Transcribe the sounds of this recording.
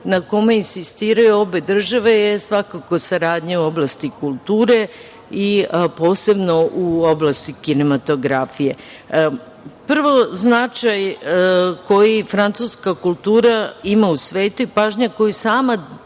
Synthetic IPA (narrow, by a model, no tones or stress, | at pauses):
nako̞me̞insist̪iːɾajuo̞be̞d̪r̩ʒaʋe̞jesʋakako̞saɾaːd̪ɲeuo̞blˠast̪ikulˠt̪uːɾe̞ | ipo̞ːse̞bno̞ʔuoblˠast̪ikine̞mat̪o̞ɡɾafije̞ | pr̩ʋo̞znat͡ʃaj | ko̞jifɾant̪suskakulˠt̪uːɾaimausʋe̞ːt̪uipaːʒɲako̞jisaːma